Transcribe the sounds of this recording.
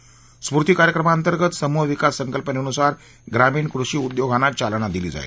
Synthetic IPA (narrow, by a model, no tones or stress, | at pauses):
spuɾt̪iːkaɾjəkɾəmaənt̪əɾɡət̪səmuɦʋikasːəŋkəlpəneənusaɾ | ɡɾamiːɳkɾuʂiːud̪joɡʱanat͡ɕalnad̪iliːd͡za̰ḛ